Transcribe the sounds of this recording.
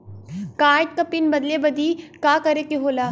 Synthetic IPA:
kaːɪʈ̪̚kɐpinbɐd̪lebɐd̪iːkaːkɐɾekeɦoːlaː

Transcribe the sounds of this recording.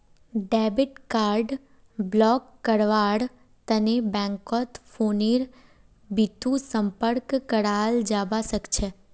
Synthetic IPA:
ɖɛbiʈkaɾɖ | blɔkːəɽʋaɽ | t̪ənebɛ̃ŋkɔt̪foniɾ | bit̪ũsəmpəɾkkəɽald͡ʒabaʃəkt͡ʃʰe

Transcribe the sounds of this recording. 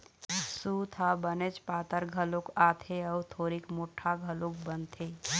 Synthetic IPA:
sut̪ʰabənet͡ʃpaːt̪əɾɡʱəlokat̪ʰeəut̪ʰoːɾikmoːʈʰːaɡʱəlok̚bənt̪ʰe

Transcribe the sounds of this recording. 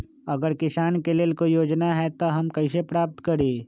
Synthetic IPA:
ɐɡəɾkɪsaːnkeleːlkoijoːd͡ʒnaɦɛt̪oɦɐmkɐɪs̬epɾaːp̚t̪kəɾẽː

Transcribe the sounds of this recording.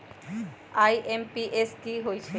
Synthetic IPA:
ajʔempiʔeskiɦojt͡ɕʰe

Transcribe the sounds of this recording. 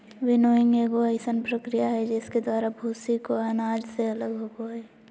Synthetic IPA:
ʋɪnoːɪŋɡeːɡoəɪsənpɾəkɾijaɦɛd͡ʒɪsked̪waːɾabʱuːsikoanaːd͡ʒseɐləɡɦoːɡoɦɛː

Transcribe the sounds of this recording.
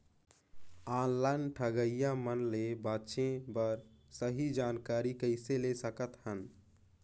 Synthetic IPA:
anlaɪnʈʰəɡəijamənlebatʃẽbəɾsəɦid͡ʒankaɾikəɪselesəkət̪hən

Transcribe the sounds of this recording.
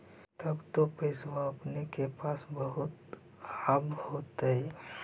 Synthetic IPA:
t̪əbt̪opəɪsʋaəpnekepaːsbəɦʊt̪ | abhot̪ɦɛ

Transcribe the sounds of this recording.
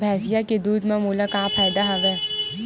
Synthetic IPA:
bʱɛːsijaked̪uːd̪mẽmuːlakaːpʰaːjd̪aɦɐʋeː

